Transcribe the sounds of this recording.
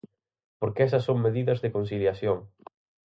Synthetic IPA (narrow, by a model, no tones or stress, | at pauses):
poɾkeɛsɐsːoŋmeðiðɐzðɪkonsiljaθjoŋ